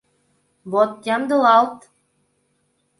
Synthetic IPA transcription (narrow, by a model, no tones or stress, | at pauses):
bot̪̚jɑmd̪ɤ̆lˠɑlˠt̪